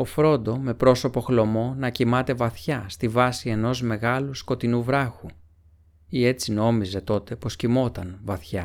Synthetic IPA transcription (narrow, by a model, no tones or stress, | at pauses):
o̞fɾo̞nd̪o̞me̞pɾo̞so̞po̞xlo̞mo̞nɐcimɐt̪e̞vɐθçɐst̪ivɐsie̞no̞zme̞ɣɐlusko̞t̪inuvɾɐxu | ie̞t͡sino̞mize̞t̪o̞t̪e̞po̞scimo̞t̪ɐnvɐθçɐ